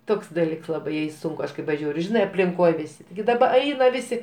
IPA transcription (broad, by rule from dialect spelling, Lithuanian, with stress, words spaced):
ˈtoːks dɐˈlʲiːks ˈlˠɑːbɐɪ jɛɪ ˈsʊŋkʊ ˈɐʃ kɐɪ pɐˈʒʲuːrʲʊ ˈʒʲɪnɐɪ ɐpʲlʲɪŋˈkoːj ˈʋʲɪsʲɪ tʲɪɡʲɪ dɐˈbɐ ˈɐɪnɐ ˈʋʲɪsʲɪ